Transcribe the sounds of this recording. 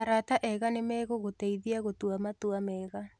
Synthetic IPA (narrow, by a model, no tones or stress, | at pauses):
aɾataʔɛɣanemɛːɣoɣotɛiðiaɣotwamatuamɛɣa